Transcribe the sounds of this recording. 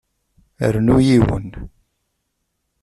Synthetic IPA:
ə̰ɾnujiwə̰n

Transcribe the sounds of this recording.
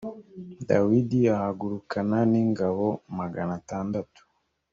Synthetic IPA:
dawidiahaɡuɾukananiːŋɡaβo̞maɡanataːndatu̥

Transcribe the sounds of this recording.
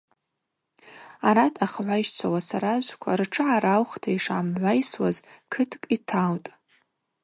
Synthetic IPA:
aɾatʰaχʕʷaiʃt͡sʷʰawasaɾaʒʷkʷʰa̰rʈ͡ʂʰɨʕaɾawχtʰaiʂamʕʷajswazkʰɨtʰkʼitʰaltʼ

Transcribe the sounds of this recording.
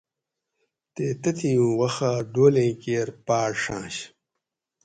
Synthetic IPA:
t̪eːt̪ɐt̪ĩjũːwɐxaːɖoːlẽːkeːɾpaːɽʂãːɕ

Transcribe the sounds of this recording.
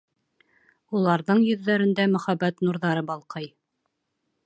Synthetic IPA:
ulˠɑɾðɤɴjɵ̆ðːæɾɘ̆nd̪æmɵ̆χæbæt̪nuɾðɑɾɤbɑlˠqɤj

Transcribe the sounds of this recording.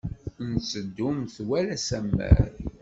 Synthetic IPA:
nsəd̪ːʊmθwælæsæmːæ̰ɾ

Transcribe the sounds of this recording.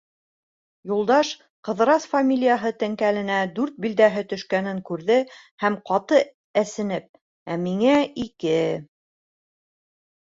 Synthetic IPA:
julˠd̪ɑʃ | qɤ̆ðɾɑsfamʲilʲijəɦɤt̪ɘ̆ŋkælɘ̆næd̪ʉɾt̪̚bild̪æɦɘt̪ɵ̆ʃkænɘŋkʉɾðɘ | hæmqɑt̪ɤ | æsɘ̆nɘp̚ | æmiŋæikɘ

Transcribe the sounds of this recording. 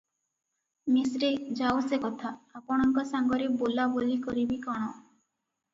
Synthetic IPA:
misɾed͡ʒawsekɔt̪ʰaːpɔɽ̃ɔŋkɔsaŋɡɔɾebolabolikɔɾibikɔɽ̃ɔ

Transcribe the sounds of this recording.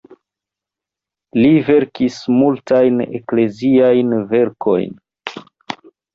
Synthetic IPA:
live̞ɾkismultajnḛkle̞ziajnve̞ɾkʰo̞̰jn

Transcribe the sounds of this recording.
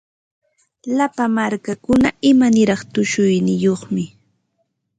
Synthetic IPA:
lapamaɾkakʊna̰ʔɪmanɪɾɑχt̪ʊʃʊjnɪjoχmɪ

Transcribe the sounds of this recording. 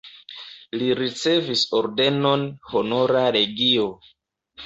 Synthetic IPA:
liɾit͡se̞viso̞ɾde̞no̞nho̞no̞ɾaɾe̞ɡio̞

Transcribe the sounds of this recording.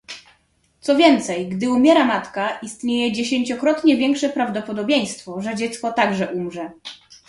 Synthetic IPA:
t̪sɔvʲjɛnt̪sɛjɡd̪ɘumʲjɛɾamat̪kaist̪ɲejɛd͡ʑeɕeɲt͡ɕɔkɾɔt̪ɲɛvʲjɛŋkʂɛpɾavd̪ɔpɔd̪ɔbʲjej̃st̪fɔʐɛd͡ʑɛt̪skɔt̪aɡʐɛʔumʐɛ

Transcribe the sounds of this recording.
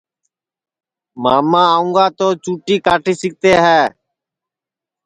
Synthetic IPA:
maːmãːaːũŋɡaːt̪oːt͡ʃuːʈiːkaːʈiːsɪk̚t̪eːɦɛː

